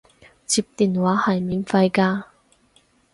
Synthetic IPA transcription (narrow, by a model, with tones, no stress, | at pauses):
t͡siː˨˧p̚t̪iː˨˩nwaː˨˥hɐ˨˩jmiː˨˩nfɐ˧jkaː˧